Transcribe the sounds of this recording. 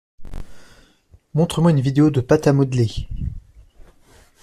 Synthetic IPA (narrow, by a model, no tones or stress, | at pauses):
mɔ̃t̪χəmwaynvid̪eod̪əpat̪amɔd̪le